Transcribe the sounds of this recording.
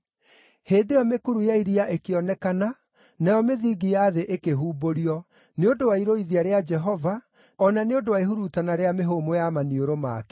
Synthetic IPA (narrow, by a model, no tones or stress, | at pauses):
heːdejɔmekuɾujaiɾiaʔekeɔnɛkana | nɛjɔmeðiːɡijaːðeʔekeɦuːboɾiɔ | neodowaiɾoiðiaɾead͡ʒɛɦɔva | ɔnaneodowaiɦuɾutanaɾeameɦomojamanioɾoma̰ːkɛ̥